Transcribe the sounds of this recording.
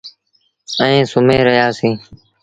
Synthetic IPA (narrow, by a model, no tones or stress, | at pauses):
əĩːsʊmẽːɾəɦjaːsĩː